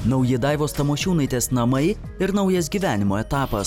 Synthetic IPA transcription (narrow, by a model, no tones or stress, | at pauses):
nɐʊjɪd̪ɑˑɪʋoːst̪ɐmoːʃʲuːnɐɪt̪ʲeːsnɐmɐɪ | ɪɾnɐʊjɛsɡʲiːʋʲæːnʲɪmoːɛt̪ɑːpɐs